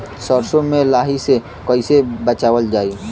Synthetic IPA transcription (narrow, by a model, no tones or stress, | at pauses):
sɔːɾsomẽlaːɦise | kɔɪsebət͡ʃaːwəld͡ʒaːi